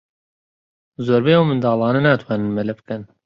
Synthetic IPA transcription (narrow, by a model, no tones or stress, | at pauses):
zoːɾbejawmɨnd̪ɑːlˠɑːnɛnaːt̪ʰwɑːnɨnmɛlɛbkɛn